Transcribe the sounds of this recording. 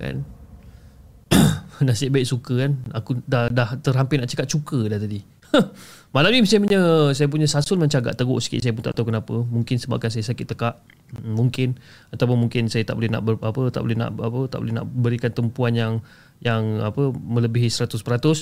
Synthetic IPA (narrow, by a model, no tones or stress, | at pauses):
ka̰n | nahsiaʔ̪baɪʔ̚sukəkanakudahdaht̪ərɦampɪnaʔt͡ʃəkat̪̚t͡ʃukədaht̪adi | malamnimisampəɲəsajap̬uɲəsasʊlməɲt͡ʃaɡa̰ʔt̪əɡʊ̰ʔsə̥kɪ̰ʔsajap̬ʊnt̪a̰ʔt̪awkənapəmuŋkɪnsəba̰p̚kans̬ajasakɪt̪ːəkaʔ | muŋkɪn | at̪awp̬ʊnmuŋkɪnsajat̪aʔbolɛhna̰ʔbəapət̪a̰ʔbo̰lɛɦna̰ʔapət̪aʔbo̰lɛhna̰ʔbəɾikant̪əmpuanjaŋ | jaŋa̰pəmə̃ləbiɦisəɾat̪ʊspəɾat̪ʊs